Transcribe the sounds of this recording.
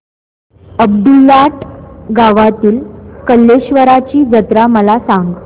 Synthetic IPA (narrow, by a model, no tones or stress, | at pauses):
əb̚ɖulːaʈɡaʋat̪iːlkəlːeɕʋəɾat͡ɕiːd͡zət̪ɾaməlasaŋɡ